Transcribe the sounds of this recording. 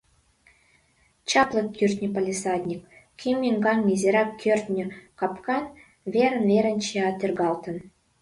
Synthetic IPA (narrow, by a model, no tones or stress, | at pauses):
t͡ɕɑplˠɤ̆kʲːyrʲt̪ʲnʲə̆palʲisɑd̪ʲnʲikːʲ | imʲːiŋɡɑŋmʲizʲeɾɑkʲːørʲt̪ʲnʲɘ̆kɑpkɑn | vʲeɾə̆nvʲeɾə̆nʲt͡ɕeɑt̪ʲerɡɑlˠt̪ə̆n